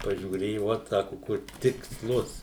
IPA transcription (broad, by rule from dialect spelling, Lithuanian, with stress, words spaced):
pɐʒʲuːˈrʲeːjʊ ˈʋoːt ˈsɑːkʊ ˈkʊr tʲɪksˈlˠʊs